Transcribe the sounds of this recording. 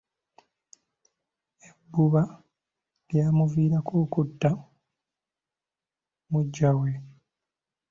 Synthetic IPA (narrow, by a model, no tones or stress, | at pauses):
ebːuβa | ljaːmuviːɾakʰuːkudːa | muɟːawe